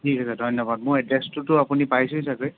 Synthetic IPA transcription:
tʰikʰasadʱɔjnɔbad̚moɛdestʊtʊapunipajsũisakoj

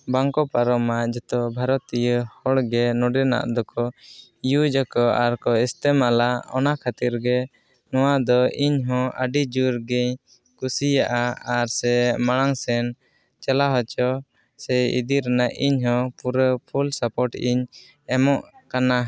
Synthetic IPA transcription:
baŋkɔpaɾɔmaʔd͡ʒɛt̪ɔbʱaɾɔt̪ijəhɔɽɡɛnɔɖɛna̰ʔd̪ɔkɔjud͡ʒakɔaɾkɔɛst̪ɛmalaɔ̰nakʰat̪iɾɡɛ | nɔwad̪ɔiɲɦɔ̃aɖid͡ʒuɾɡɛɲ | kusijaʔaaɾsɛmaɽ̃aŋsɛn | t͡ʃalaɦɔt͡ʃɔ | sɛḭd̪iɾɛnaʔiɲɦɔ̃puɾəpʰulsapɔʈiɲ | ɛmɔʔkana

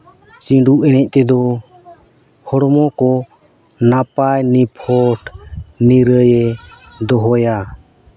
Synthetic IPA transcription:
t͡ʃĩɖuʔɛnɛc̚ˀt̪ɛd̪ɔ | hɔɾɔmɔkɔ | napajnipʰɔʈniɾəjɛ | d̪ɔɦɔja

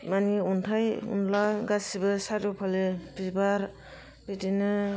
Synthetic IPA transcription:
maniuntʰajṵnlaɡasibɯsaɾupʰalebizbaɾ | bitinɯ

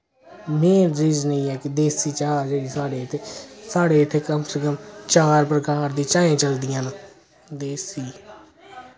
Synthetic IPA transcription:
mẽːɾɾɪd͡ʒnəĩːɛːkɪd̪eːsiːt͡ʃaːɾd͡ʒeːɽiːsaːɽeːɪt̪ʰeːsaːɽeːɪt̪ʰːeːkəmsəkəmt͡ʃaːɾpɾəkaːɾd̪iːt͡ʃãːẽːt͡ʃəld̪ɪjãːn | d̪eːsiː

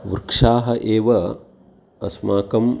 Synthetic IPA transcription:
ʋuɾkʂaːɦɐʔeːʋɐ | ɐsmaːkɐm

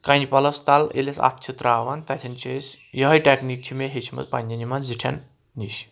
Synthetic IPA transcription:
kanipɐlɐst̪alḛlesa̰t̪ʰt͡ʃʰit̪ɾaːʋant̪at̪ʰint͡ʃesjiɦɐjʈeknik̚t͡ʃʰimeɦet͡ʃʰimɐ̰zpa̰nʲːɐnimanziʈʰa̰nː | iɕ

